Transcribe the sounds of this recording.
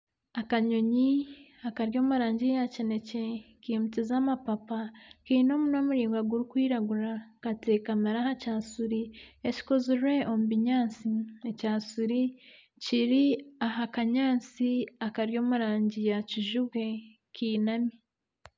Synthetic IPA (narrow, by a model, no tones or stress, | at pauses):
akaɲoɲiakaɾjo̞ːmuɾaːɲɟijacine̞cekimut͡sizamapapakiːno̞ːmuno̞ːmuɾiːŋɡwaɡuɾukwiːɾaɡuɾakatekamaɾahacaːsuɾieci̥kozuɾe̞ʔomubiɲaːnt͡siecaːsuɾi | ciɾiaɦakaɲaːnt͡siakaɾjo̞ːmuɾaːɲɟijaciʒuβwe̞ | kiːnami